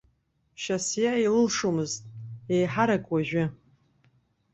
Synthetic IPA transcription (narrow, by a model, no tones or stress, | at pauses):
ʃasjailɨlʂomɨztʼejħaɾakʼwaʒᶣʷɪ